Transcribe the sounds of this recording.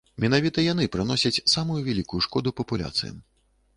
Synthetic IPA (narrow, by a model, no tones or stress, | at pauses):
mʲɛnavʲit̪ɐjan̪ɨpɾɨn̪ɔsʲɐt͡sʲsamujuvʲalʲikujuʂkɔd̪upɐpulʲa̰t̪sɨ̰jɐ̰m